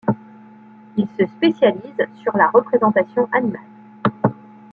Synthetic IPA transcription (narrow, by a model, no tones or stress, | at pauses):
ilsəspesjalizsyʁlaʁəpχezɑ̃t̪asjɔ̃ʔanimal